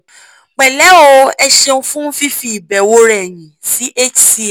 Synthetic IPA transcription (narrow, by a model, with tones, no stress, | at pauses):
k͡pɛ˨lɛ˨˦o˧ɛ˧ʃe˧ũ˧˦fũ˦n̩˦fi˦fi˦i˨bɛ˨wo˦ɾɛ˦˨j̃ĩ˨si˨˦ʔe˦t͡ʃi˦˨